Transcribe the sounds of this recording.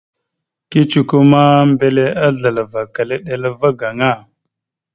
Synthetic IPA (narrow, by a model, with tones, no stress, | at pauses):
ki˦t͡ʃi˦ku˦ma˦mbe˦le˦a˦ɮə˨la˨va˨ka˨le˦ɗe˨la˦va˦ɡa˨ŋa˦˨